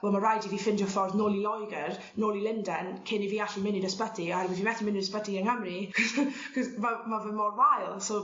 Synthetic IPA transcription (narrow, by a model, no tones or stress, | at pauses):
wɛlˠmarajdiviːfɪndɔfɔrðnoːlˠilˠɔjɡər | noːlˠilˠɪndɛnkʰɪniviːaɬimɪnidəspədiɔhɛɾwəðvimɛθimɪnidəspədiəŋəmrikʰɔskʰɔsmamavəmɔrwajlˠso